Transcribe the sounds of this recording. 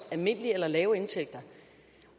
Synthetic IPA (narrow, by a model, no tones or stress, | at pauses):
ælme̝n̰əlielɐlɛːʊe̝nt͡sʰeɡ̥̚d̥ɐ